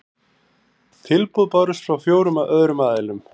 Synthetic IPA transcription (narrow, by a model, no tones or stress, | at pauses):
t̪ʰɪlpuðpɔɾʏst̪fɾawfjoːwɾʏmaʔœðɾʏmaːðalʏm